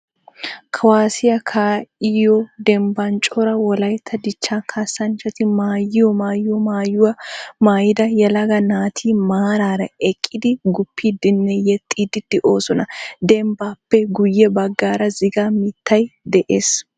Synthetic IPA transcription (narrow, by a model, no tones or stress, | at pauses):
kʰɐwaːsɪjɐkʰaːɪjɔd̪ɛmbɐnt͡ʃʼɔɾɐwɔlɐjt̪ʰːɐd̪ɪt͡ʃːaːkʰasːɐnt͡ʃːɐt̪ɪmaːjɪjɔmaːjɪɔmaːjʊwɐmaːjɪd̪ɐjɐlɐɡɐnaːt̪ʰiːmaːɾaːɾɐɛkʼːɪd̪ɪɡʊpʰːiːd̪ɪnːɛjɛt̪ʼːiːd̪ɪd̪̥ɪʔo̞ːsɔnɐd̪ɛmbaːpːɛɡʊjːɛbɐɡːaːɾɐzɪɡamɪt̪ːɐjd̪ɛʔeːs